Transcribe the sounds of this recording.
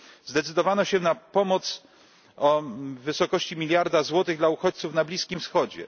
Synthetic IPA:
zd̪ɛt̪sɘd̪ɔvanɔɕɛnapɔmɔt̪s | ɔvɘsɔkɔɕt͡ɕimʲilʲjaɾd̪azwɔt̪ɘɣd̪lauxɔt͡ɕt̪sufnablʲiskʲimfsxɔd͡ʑɛ̰

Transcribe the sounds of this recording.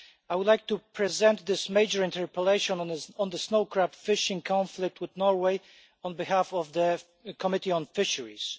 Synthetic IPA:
aɪwʊd̪lajk̚t̪upʰɹɛzɛ̃nt̪̚ðɪsmeɪd͡ʒəɹɪ̃ntʰɛɹpəleɪʃɔ̃nɔ̃nðəsnoʊkɹæpfɪʃɪ̃ŋkʰɔ̃nflɪk̚t̪wɪðnɔɹweɪ | ɔ̃nbihafɔvðə | kʰɔmɪtiɔ̃nfɪʃəɹḭs

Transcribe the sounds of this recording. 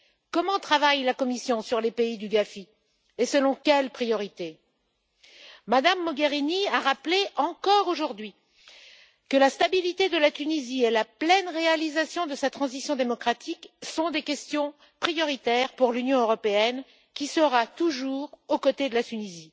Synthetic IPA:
kɔmɑ̃t̪χavajlakɔmisjɔ̃syʁlepeid̪yɡafi | esəlɔ̃kʲɛlpχijɔʁit̪e | mad̪amːɔɡeʁiniaʁapleʔɑ̃kɔʁoʒuʁd̪ɥi | kəlast̪abilit̪ed̪əlat̪ynizielaplɛnʁealizasjɔ̃d̪əsat̪χɑ̃zisjɔ̃d̪emɔkχat̪ʰiksɔ̃d̪ekʲɛst̪jɔ̃ | pχijɔʁit̪ɛʁpuʁlynjɔ̃øʁɔpeɛn | kʲisəʁat̪uʒuʁokɔt̪ed̪əlat̪ynizi

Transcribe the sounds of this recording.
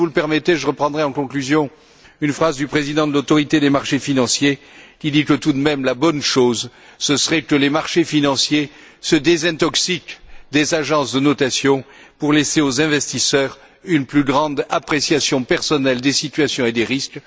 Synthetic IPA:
vuləpɛʁmɛt̪eʒəʁəpχɑ̃d̪ʁɛɑ̃kɔ̃klyzjɔ̃ | ynfχazd̪ypχezid̪ɑ̃d̪əlot̪ɔʁit̪ed̪emaʁʃefinɑ̃sje | kʲid̪ikət̪ud̪mɛmlabɔnʃozsəsəʁɛkəlemaʁʃefinɑ̃sje | səd̪ezɛ̃t̪ɔksikd̪ezaʒɑ̃sd̪ənɔt̪asjɔ̃ | puʁleseozɛ̃vɛst̪isœʁ | ynplyɡʁɑ̃d̪apχesjasjɔ̃pɛʁsɔnɛld̪esit̪ɥasjɔ̃ed̪eʁisk

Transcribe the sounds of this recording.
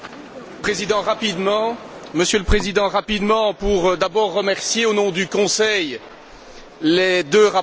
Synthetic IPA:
pχezid̪ɑ̃ʁapid̪mɑ̃məsjøləpχezid̪ɑ̃ʁapid̪mɑ̃puʁd̪abɔʁːəmɛʁsjeonɔ̃d̪ykɔ̃sɛj | led̪øʁa

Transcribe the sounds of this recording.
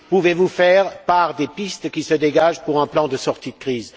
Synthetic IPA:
puvevufɛʁpaʁd̪epist̪kʲisəd̪eɡaʒpuʁɛ̃plɑ̃d̪əsɔʁt̪id̪əkχiːz

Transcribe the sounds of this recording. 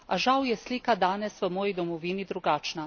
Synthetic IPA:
aʒawjɛsliːkad̪aːnɛsʋəmɔːjid̪ɔmɔʋiːnid̪ɾuɡaːt͡ʃna

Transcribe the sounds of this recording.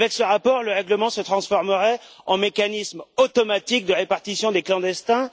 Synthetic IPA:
vɛksəʁapɔʁləʁɛɡləmɑ̃sət̪χɑ̃sfɔʁməʁɛɑ̃mekanismot̪ɔmat̪ik̚d̪əʁepaʁt̪isjɔ̃d̪eklɑ̃d̪ɛst̪ɛ̃

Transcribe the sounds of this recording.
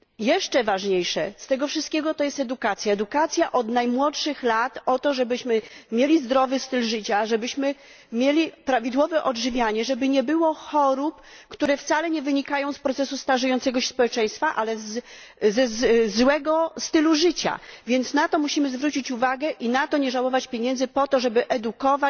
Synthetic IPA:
jɛʂt͡ʂɛvaʐɲejʂɛst̪ɛɡɔfʂɨst̪̚kʲɛɡɔt̪ɔjɛst̪ɛd̪ukat̪sʲjaɛd̪ukat̪sʲjaʔɔd̪najmwɔtʂɘxlat̪ɔt̪ɔʐɛbɘɕmɘmʲjelʲizd̪ɾɔvɘst̪ɘlʐɘt͡ɕaʐɛbɘɕmɘ | mʲjelʲipɾavʲid̪wɔvɛʔɔdʐɘvʲjaɲɛʐɛbɘɲɛbɘwɔxɔɾupkt̪uɾɛft̪salɛɲɛvɘɲikajɔ̃w̃spɾɔt̪sɛsust̪aʐɛjɔnt̪sɛɡɔɕɛ̥spɔwɛt͡ʂɛ̃j̃st̪faʔalɛz | zɛzzwɛɡɔst̪ɘluʐɘt͡ɕa̰vʲjɛnt̪snat̪ɔmuɕimɘzvɾut͡ɕit͡ɕuvaɡɛʔinat̪ɔɲɛʐawɔvat͡ɕpʲjeɲɛnd̪zɘpɔt̪ɔʐɛbɘʔɛd̪ukɔva

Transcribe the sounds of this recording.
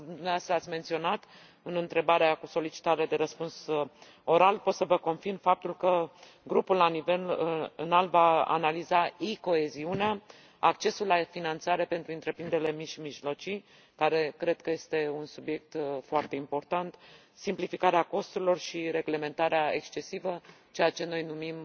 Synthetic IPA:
d̪umneoast̪ɾəat̪sʲment̪sio̞nat̪ | ɨnɨnt̪ɾe̞baɾeakuso̞lit͡ʃi̥t̪aɾe̞d̪e̞ɾəspuns | o̞ɾalpo̞t̪səvəko̞nfirmfap̚t̪ulkə | ɡɾupullanive̞lɨ̰nalvaa̰nalizaiko̞e̞ziunea | akt͡ʃe̞sulːafinant̪saɾe̞pe̞nt̪ɾuɨnt̪ɾe̞pɾind̪eɾelemiʃimiʒlo̞t͡ʃi | kaɾe̞kɾe̞d̪̚kəjest̪e̞unsubje̞k̚t̪foart̪e̞impo̞rt̪ant̪ | simplifikaɾeako̞st̪uɾilo̞rʃiɾe̞ɡle̞me̞nt̪aɾeae̞kst͡ʃe̞sivə | t͡ʃe̞jat͡ʃe̞no̞jnumim

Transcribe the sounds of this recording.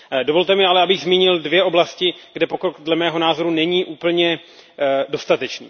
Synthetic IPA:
do̞vo̞lt̪ɛmɪalɛabɪɣzmiːɲɪldvjɛʔo̞blascɪɡ̥dɛpo̞kɾokdlɛmɛːɦo̞naːzo̞ɾunɛɲiːʔuːpl̩ɲɛ | do̞st̪at̪ɛt͡ʃnḭː

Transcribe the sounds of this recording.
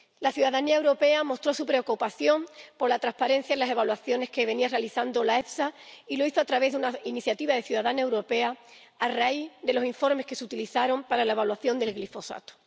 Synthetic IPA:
laθjuðaðaniae̞wɾo̞pe̞amo̞st̪ɾo̞supɾe̞o̞kupaθjo̞mpo̞ɾlat̪ɾaspaɾe̞n̟θjailase̞βalwaθjo̞ne̞hke̞βe̞niarealiθand̪o̞lae̞fsailo̞iθoat̪ɾaβ̞e̞ɦðunainiθjat̪iβaðe̞θjuðaðanae̞wɾo̞pe̞a | araiðe̞lo̞siɱfo̞ɾmehke̞sut̪iliθaɾo̞mpaɾalae̞β̞alwaθjo̞nd̪e̞lɣlifo̞sa̰t̪o̥

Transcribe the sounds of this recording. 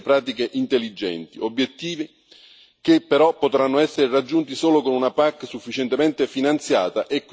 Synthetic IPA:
pɾaːt̪̬ikeʔint̪elːid͡ʒɛ̰nt̪iobːjet̪ːiːvi | k̟epːeɾɔpːot̪ɾanːoɛsːeɾerad͡ʒːunt̪isoːlokonunapakːsufːit͡ʃɛnt̪emɛnt̪efinant̪sjaːt̪aʔekː

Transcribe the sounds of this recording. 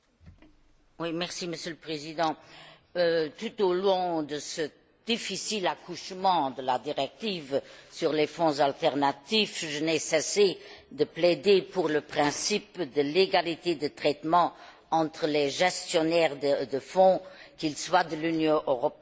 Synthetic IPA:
wimɛʁsiməsjøləpχezid̪ɑ̃ | øt̪ut̪olɔ̃d̪əsə | d̪̥ifisilakʰuʃmɑ̃d̪əlad̪iʁɛk̚t̪ivsyʁlefɔ̃zalt̪ɛʁnat̪ifʒənɛsɛsed̪əplɛd̪epuʁləpχɛ̃sipd̪əleɡalit̪ed̪ət̪χɛt̪mɑ̃ | ɑ̃t̪χəlɛʒɛst̪jɔnɛʁəd̪əfɔ̃kilswad̪əlynjɔ̃ʔøʁɔp

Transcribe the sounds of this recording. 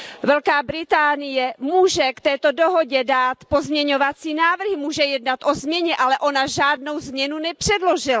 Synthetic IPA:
vɛlkaːbɾɪt̪aːnɪjɛmuːʒɛkt̪ɛːt̪o̞doɦo̞ɟɛdaːt̪po̞zmɲɛɲo̞vat͡siːnaːvr̩ɦɪmuːʒɛjɛdnat̪ʔo̞zmɲɛɲɛʔalɛʔo̞naʒaːdno̞wzmɲɛnunɛpr̝̥ɛdlo̞ʒɪla

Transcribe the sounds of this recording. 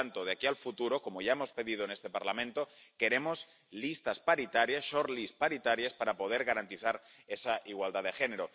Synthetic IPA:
ant̪oð̞eakialfut̪uɾo̞ko̞mo̞ʝae̞mo̞spe̞ðið̞o̞ene̞st̪e̞paɾlamẽnt̪o̞ke̞ɾe̞mo̞s | list̪aspaɾit̪aɾjasʃoɾlispaɾit̪aɾjaspaɾapo̞ð̞eɾɣaɾant̪iθaɾe̞saʔiɣwald̪aðe̞xe̞ne̞ɾo

